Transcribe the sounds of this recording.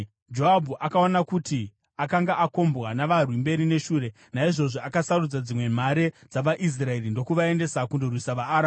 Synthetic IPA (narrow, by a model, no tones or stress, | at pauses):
d͡ʒo̞abʱuʔakaonakuti | akaŋɡaʔako̞mbɣwanaʋarwimbe̞ɾine̞ʃuːɾe̞ | naiʐo̞ʐoakasarud͡zad͡zimwe̞m̤aɾe̞d͡zaʋaʔis̬rae̞rindo̞kuʋae̞nde̞sakundorwisaʋaːɾa